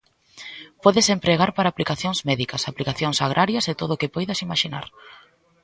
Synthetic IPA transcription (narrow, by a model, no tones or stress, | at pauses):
pɔðɪsempɾeɣaɾpaɾaːplikaθjoŋzmɛðikɐsaplikaθjoŋsaɣ̞ɾʔaɾjɐset̪oðʊːkepojðɐsimaʃina̰ɾ